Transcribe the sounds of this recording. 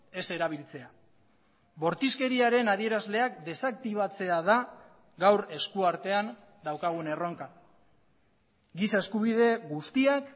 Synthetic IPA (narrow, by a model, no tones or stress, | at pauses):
e̞se̞ɾaβ̞ilt͡se̞a | βo̞ɾt̪iske̞ɾiaɾe̞naðie̞ɾazle̞akd̪e̞sak̚t̪iβat͡se̞aða | ɡawɾe̞skuaɾt̪e̞an | d̪awkaɣ̞une̞ro̞ŋka | ɡisae̞skuβið̞e̞ɡust̪iak